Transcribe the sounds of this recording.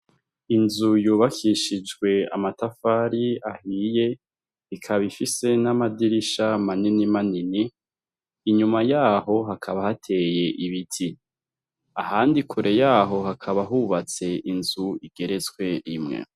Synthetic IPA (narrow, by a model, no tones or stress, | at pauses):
inzujuːβakʰiʃid͡ʒɡwe̞a̰matafaɾiahiːje̞ | ikʰaβifise̞namadiɾiʃamaninimaniniː | ɲumajaːɦo̞ɦakʰaβahatʰe̞je̞ʔiβitʰi | ahaːndikʰuɾʔe̞jaːɦo̞ɦakʰaβaɦuβat͡se̞inzuiɡ̥e̞ɾe̞t͡swe̞imŋḛ